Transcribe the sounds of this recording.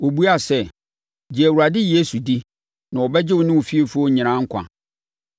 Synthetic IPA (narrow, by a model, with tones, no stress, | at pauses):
wo˨bu˦a˨sɛ˦˨ | d͡ʑi˨æ˨wu˨ɾa˨dɪ˦je˦su˨di˦ | nã˨wɔ˨bɛ˦d͡ʑɪ˦wʊ˨nɪ̃˦wʊ˨fi˦e˦fu˦o˦ɲɪ̃˨nã˦ŋ̩˦kʷʰã̰˨